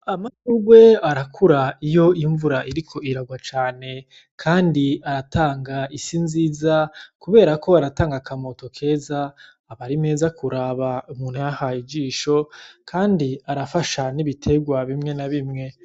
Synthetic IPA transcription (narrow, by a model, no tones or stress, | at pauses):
amatuɡwe̞aɾakʰuɾaijo̞iɱvuɾaʔiɾikʰo̞iɾaɡwat͡ʃaːne̞ | kʰaːndiaɾatʰaːŋɡaisinziːzakuβe̞ːɾako̞aɾataːŋɡakamo̞to̞kʰe̞ːzaː | βaɾime̞ːzakʰuɾaβaumuːn̥hujahaid͡ʒiːʃo̞kʰaːndiaɾafaʃaniβitʰe̞ɡwaβimŋe̞naβimŋe̞